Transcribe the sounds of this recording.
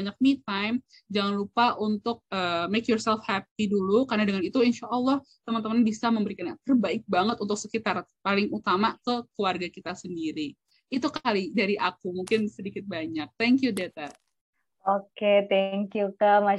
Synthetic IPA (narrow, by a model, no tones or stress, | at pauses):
aɲak̚nit̪ajm | d͡ʒaŋanlupaʔunt̪ʊk̚əmekjɔrsɛlfhɛp̚idulukarnadəŋanit̪uinʃaʔːlːɑh | t̪əmant̪əmannbisaməmbəɾikanat̪ərbaɪk̚baŋət̪unt̪ʊk̚səkit̪arpalɪŋut̪amakəkluarɡakit̪asəndiɾi | it̪ukalidaɾiʔakumuŋkɪnsədikɪt̪̚baɲak̚t̪ɛŋkjudet̪a | oket̪ɛŋkjukama